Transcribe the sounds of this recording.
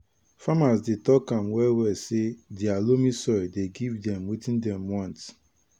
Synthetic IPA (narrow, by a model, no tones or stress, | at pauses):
famasdetɔkãmwɛwɛsedialomisɔɹideɡivdɛ̃mwitĩndɛ̃mwãnt